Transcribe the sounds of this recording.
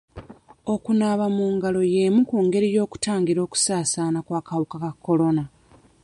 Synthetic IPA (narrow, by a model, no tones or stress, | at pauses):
o̞kunaβamuːŋɡalo̞je̞ːmukuːŋɡe̞ɾijo̞ːku̥taːŋɡiɾo̞ːku̥saːsaːnakwaːkawukakakːo̞lo̞na